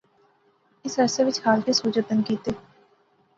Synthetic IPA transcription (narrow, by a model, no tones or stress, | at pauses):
ɪsɛːseʋɪt͡ʃhaːlkisuːd͡ʒət̪ːənkiːt̪e